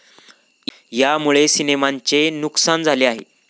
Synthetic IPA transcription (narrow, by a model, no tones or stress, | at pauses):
jamuɭesinemaɲt͡senuksand͡zʱaleaɦḛ